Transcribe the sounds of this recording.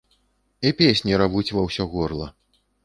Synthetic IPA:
ipʲesʲnʲiɾavut͡sʲvɐwsʲɔɣɔrlˠɐ

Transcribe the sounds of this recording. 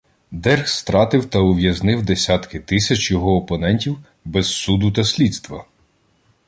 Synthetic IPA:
d̪ɛrxst̪ɾɑt̪ɪwt̪ɐʊʋʲjɐznɪwd̪esʲat̪kɪt̪ɪsʲɐt͡ʃjɔɦɔːpɔnɛnʲtʲiw | bɛzsud̪ʊt̪ɐsʲlʲit̪st̪ʋɐ

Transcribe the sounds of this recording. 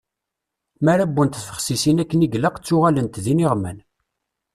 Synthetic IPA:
mæɾæbːunt̪θfə̥χsisinækːəniɡləqt͡sːʊʁalənt̪ðinɪʁmæn

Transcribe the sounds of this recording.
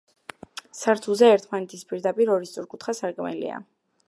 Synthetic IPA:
saɾt̪ʰulˠzɛɛɾt̪ʰmanɛt̪ʰispʼiɾd̪apʼiɾɔɾist̪ʼuɾkʼut̪χasaɾkʼmɛlḭa̰

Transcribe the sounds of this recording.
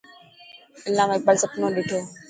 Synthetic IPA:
ɪlːaːmeːk̚bəlsəpnõːɗɪʈʰoː

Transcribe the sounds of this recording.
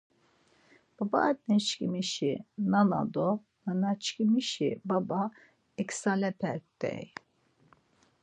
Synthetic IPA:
b̥aba̰ʔt̪̚nɛt͡ʃkimiʃinana̰d̪ɔ | nanat͡ʃkimiʃḭbaba | ɛksalɛpʰɛɾt̪ɛ̰j

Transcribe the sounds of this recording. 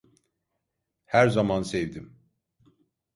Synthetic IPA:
hæɾzamansevd̪im

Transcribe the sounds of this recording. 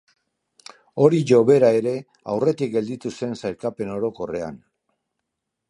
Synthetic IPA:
o̞ɾiʝo̞βe̞ɾae̞ɾe̞ | a̰wre̞t̪ik̚ɡe̞ld̪it̪use̞nsajɾkape̞no̞ɾo̞ko̞re̞a̰n

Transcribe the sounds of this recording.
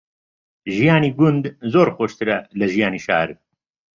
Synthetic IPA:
ʒijaːniːɡʊnd̪zoːɾxoʃt̪ɨɾɛlɨʒijaːniːʃa̰ːɾ

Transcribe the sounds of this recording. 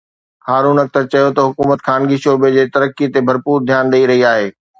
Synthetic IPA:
haːɾuːnɐk̚t̪ɐɾt͡ɕɐjot̪ɐɦʊkuːmət̪xʰaːnɡiʃoːbed͡ʑeːt̪ɐɾəkːit̪ebʱɐɾpuːɾd̪ʱjaːnɗ̪ɐiɾɐɦiaːɦeː

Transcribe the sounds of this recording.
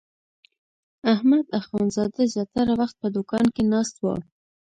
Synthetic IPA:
ahmad̪axwɑnzɑd̪azjɑt̪aɾawaxt̪̚pəd̪ʊkɑnkenɑst̪wə̰

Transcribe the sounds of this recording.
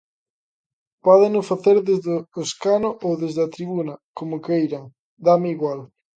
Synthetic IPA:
pɔðɪnʊfaθeɾðezðɪoskanʊʔowðezðeɐt̪ɾiβunɐkomʊkejɾaŋ | d̪amɪiɣwal

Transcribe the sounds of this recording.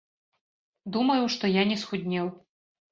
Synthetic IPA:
d̪umɐjuʂt̪ɔjanʲɛsxud̪ʲnʲɛw

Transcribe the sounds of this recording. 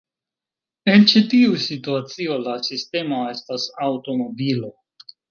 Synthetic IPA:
e̞nt͡ʃitiusituat͡sio̞lasiste̞mo̞e̞stasawto̞mo̞bilo̞

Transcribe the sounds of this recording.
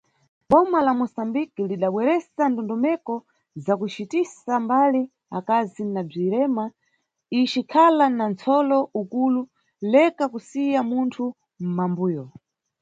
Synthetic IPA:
ɓɔmalamɔsambikiliɗaɓwɛɾɛsandɔndɔmɛkɔ | zakut͡ʃitisambali | akazinab͡ʐiɾɛma | it͡ʃikʰalanant͡sʰɔlɔukulu | lɛkakusijamuntʰu | m̩mambuːjɔ

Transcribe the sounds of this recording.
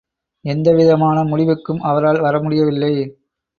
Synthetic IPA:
ɛnd̪ɐʋɪðɐmaːnɐmʊɻɪʋɯkːɯmʔɐʋɐɾaːlʋɐɾɐmʊɽɪjɐʋɪlːɐɪ

